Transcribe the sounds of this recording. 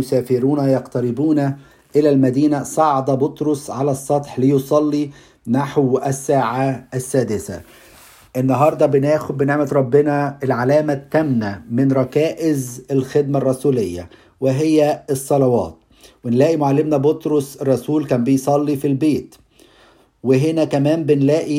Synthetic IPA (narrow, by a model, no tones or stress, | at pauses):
sæːfɪɾuːnæjɑqt̪æɾɪbuːnæ | ʔɪlælmæd̪iːnæsˤɑʕɑd̪ˤɑbot̪ɾosʕalæsˤːɑt̪ˤħlejosˤɑlːi | naħwæsːæːʕaæsːæːd̪ɪsæ̰ | ʔɪnːɑɦɑɾˤd̪ˤɑbɪnæːxbɪneʕmæt̪ɾˤɑbːɪnæelʕalæːmæt̪ːæmnæmɪnɾˤɑkæːʔɪzælxed̪̚mærˤːɑsuːlejːæ̰ | weɦejːæesˤːɑlɑwɑ̰ːt̪̚ | wenlæːʔimoʕalːɪmnæbot̪ɾosrˤːɑsuːlkæːnbejsˤɑlːifilbeːt̪ | weɦenækæmæːmbɪnlæːʔi